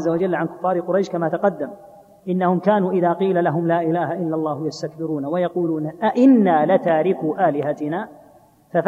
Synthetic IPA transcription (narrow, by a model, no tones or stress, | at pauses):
zːawad͡ʒalːʕankʊ̥fːɑːɾˤqʊɾɑjʃkamaːt̪ɑqɑd̪ːam | ʔɪnːahʊmkaːnuːʔɪðaːqiːlalaɦʊmlaːʔɪlaːɦaʔɪlːalˤːɑːhjast̪ak̚bɪɾuːnawajɑquːluːnʔaʔɪnːaːlɪt̪aːɾɪkuːʔaːlɪɦat̪ɪnaː | faf